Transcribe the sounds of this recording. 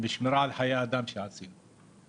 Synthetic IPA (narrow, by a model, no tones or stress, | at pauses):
mɪʃmɪɾˤaːʕlħajaːd̪amʃasiːn